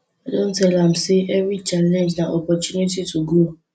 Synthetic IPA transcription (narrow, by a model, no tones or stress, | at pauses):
adon̩tɛlam̩seɛvɾit͡ʃalɛ̃nd͡ʒnaʔɔpɔtunititʰuɡo